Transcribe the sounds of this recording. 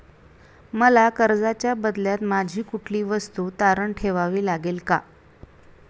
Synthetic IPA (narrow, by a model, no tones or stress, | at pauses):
məlakəɾd͡zat͡ɕjabəd̪ljat̪mad͡ʑʱiːkuʈʰliːʋəst̪uːt̪aɾəɳʈʰeʋaʋiːlaɡelka